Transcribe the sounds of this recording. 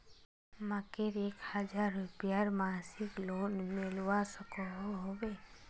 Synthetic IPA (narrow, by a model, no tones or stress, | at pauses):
məkɪɾeːkhəd͡ʒaːɾːʊpɪjaɾmaːsɪkloːnmɪlwasəkoɦoɦobeː